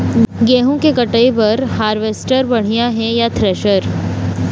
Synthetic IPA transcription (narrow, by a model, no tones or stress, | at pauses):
ɡɛːɦõkekɐʈəebɐɾhaːɾʋeːsʈəɾbɐɽ̤ijaɦɛjat̪ʰɾɛːʃəɾ